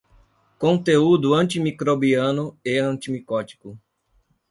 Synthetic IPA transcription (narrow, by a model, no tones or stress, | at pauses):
kõnt̪eud̪ʊɐ̃nt̪imikɾobiɐ̃nʊeɐ̃nt̪imikɔt͡ʃi̥kʊ